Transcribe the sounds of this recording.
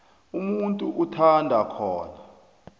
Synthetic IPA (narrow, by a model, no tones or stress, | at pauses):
umuntʼuʔutʰandʱakʰɔːna